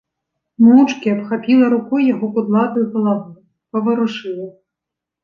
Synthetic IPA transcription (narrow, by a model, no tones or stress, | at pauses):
muwt͡ʂkʲiɐpxapʲilˠɐɾukɔjjːaɣɔkud̪lˠat̪ɨɣɐlˠavu | pɐvɨɾuʂɨlˠɐ